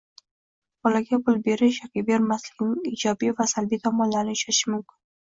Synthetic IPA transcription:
b̥ɒlaɡʲapʊlˠbe̞ɾɪʃjɒkʲabe̞ɾmaslɪɡʲnɪŋɪd͡ʒɒbivasalbit̪ʰɒmɒnlaɾnɪʊʃaɪʃɪmʊmkʲɪn

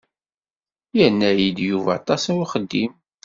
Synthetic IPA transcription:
jənːæjid̪juvæ̰t̪ˤɑsnwiχəd̪ːim

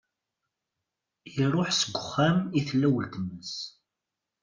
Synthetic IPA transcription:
jiɾˤʊħsəɡʷːʊχːæmiθlːæwəlt̪əmːəs

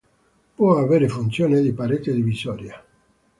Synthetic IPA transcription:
pwɔaveːɾefunt̪sjoːned̪ipaɾet̪ed̪ivizɔːɾja

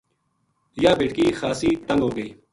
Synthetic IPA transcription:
jaːbeːʈkiːxaːsiːt̪ə̃ŋɡɦoːɡəiː

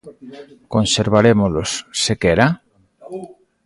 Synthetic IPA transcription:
konseɾβaɾemolosːekeɾa

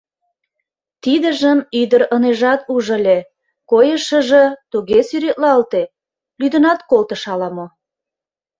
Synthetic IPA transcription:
t̪id̪ə̆ʒəmyd̪əɾəneʒɑt̪uʒə̆lʲe | kojəʃə̆ʒet̪uɣesyɾet̪lɑlt̪e | lyd̪ə̆nɑt̪kolt̪əʃɑlɑmo

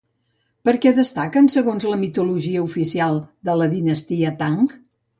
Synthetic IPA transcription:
pəɾkɛðəst̪akənsəɣonzləmit̪uluʒiəufisialˠd̪ələðinəst̪iət̪aŋk

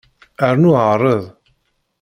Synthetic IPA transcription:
əɾnʊʕrˤəðˤ

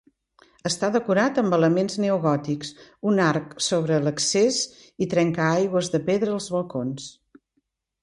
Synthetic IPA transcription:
əst̪aðəkuɾat̪əmbələmenzneuɣɔt̪iksunaɾksoβ̞ɾələksez | it̪ɾɛŋkaajɣwəzðəpeðɾəːlˠzβəlˠkons

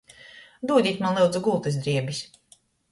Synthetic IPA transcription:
d̪uɔd̪ʲiːt̪manlɛwd̪zuɡulˠt̪ɨsd̪ɾiɛbisʲ

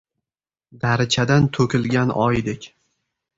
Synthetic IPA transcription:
d̪aɾɪt͡ʃʰad̪ant̪ʰɵkʲɪlɡʲanɒjd̪ekʲ

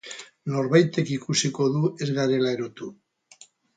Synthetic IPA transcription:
noɾβajt̪e̞kikusiko̞ðue̞zɣaɾelaeɾot̪u

